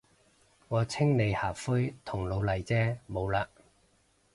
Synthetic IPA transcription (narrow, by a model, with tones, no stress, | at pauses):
ŋɔː˨˧t͡sʰɪ˥ŋne˨˧jhaː˨˩kfɵ˥jt̪ʰʊ˨˩ŋlo˨˧wlɐ˨˩jt͡sɛː˥mo˨˧wlaː˧